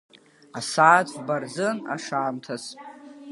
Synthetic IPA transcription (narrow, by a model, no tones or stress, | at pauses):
asaːt͡sʷʼʰbard͡zɨna̰ʂaːmtʰasʼ